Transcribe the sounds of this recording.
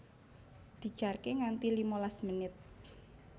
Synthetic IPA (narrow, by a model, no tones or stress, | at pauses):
d̪̥i̤̥ʒ̥arkeŋant̪ilimolasmənɪt̪̚